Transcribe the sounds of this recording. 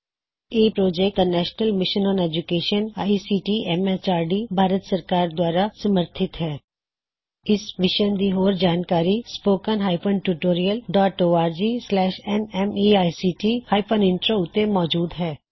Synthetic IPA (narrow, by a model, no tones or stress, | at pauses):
eːpɾoːd͡ʒɛk̚d̪anɛːʃnəlmɪʃənɔ̃ːneːd͡ʒʊkeːʃənaːisiːʈiɛmɛst͡ʃaːɾɖibʱaːɾət̪səɾkaːɾd̪waːɾasəməɾt̪ʰɪt̪ɦɛː | ɪsʋɪʃənd̪iɦoːɾd͡ʒaːnkaːɾispoːkənɦaːɪpəɳʈuʈoːɾijəlɖɔːʈoːaːɾd͡ʒiːslɛːʃɛnɛmiaːisiːʈiːhaːɪpʰənɪ̃nʈɾoʊt̪ːemɔːd͡ʒuːd̪ɦɛː